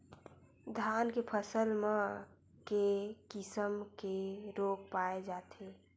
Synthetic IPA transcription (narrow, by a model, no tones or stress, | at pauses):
d̪ʱaːnkepʰəsəlme | kekɪsəmkeɾoːk̚paed͡ʒaːt̪ʰe